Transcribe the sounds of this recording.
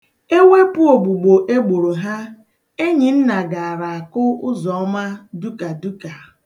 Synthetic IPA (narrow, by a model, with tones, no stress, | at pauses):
e˦we˦pʊ˦o˨ɡ͡bu˨ɡ͡bo˨ʔe˦ɡ͡bo˨ɾo˨ɦa˦ | e˦ɲi˨n̩˦na˨ɡa˨a˨ɾa˨a˨kʊ˦ʊ˦zɔ˨ɔ˦ma˦du˦ka˨du˦ka˨